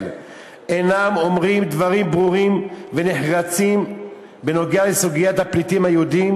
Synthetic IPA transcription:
l | enamo̞mʁimd̪vaʁimbʁuʁimveneħʁat͡sim | beno̞ɡealesuɡijat̪haplit̪imhajeud̪im

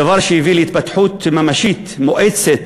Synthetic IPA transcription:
vɑɾˤʃiviːlit̪bat̪ħuːt̪mamaʃiːt̪mʊʔat̪sɪt̪

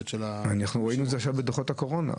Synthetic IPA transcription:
tʃelaanaχnuʁoinuetzeaχʃavbed̪oχot̪hako̞ʁo̞na̰

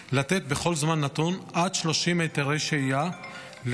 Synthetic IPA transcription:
lat̪et̪̚be̞χo̞lzmanːat̪unʔad̪ʃlo̞ʃimejt̪eʁeʃeija | l

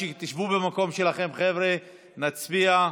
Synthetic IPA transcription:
t̪iʃvubemako̞mʃe̞laχe̞mχevʁe | nat͡sbia

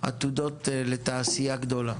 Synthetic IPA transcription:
a̰t̪ud̪ot̪let̪aːsijaɡd̪ola

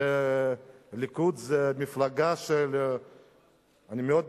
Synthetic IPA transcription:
e | likud̪zemiflaɡaʃel | animeod̪̚

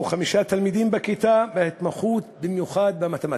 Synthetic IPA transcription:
uχamiʃat̪almid̪imbekit̪abehet̪maχut̪bimjuχad̪̚bamat̪ema

